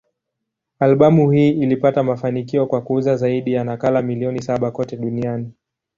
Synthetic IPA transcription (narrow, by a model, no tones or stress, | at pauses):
alɓamuhiːilipatamafanikiɔkwakuuzazaiɗijanakalamiliɔnisaɓakɔtɛɗuniani